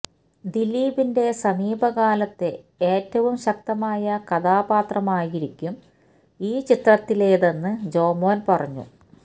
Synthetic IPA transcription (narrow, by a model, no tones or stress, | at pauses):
d̪iliːbinde̞sɐmiːbɐɣaːlɐt̪ːe̞ | eːtːɐʋumɕɐk̚t̪ɐmaːjɐkɐðaːbaːt̪rɐmaːjiɾikʲːum | iːt͡ɕit̪rɐt̪ːileːðenːɨd͡ʑo̞ːmoːnpɐrɐɲːṵ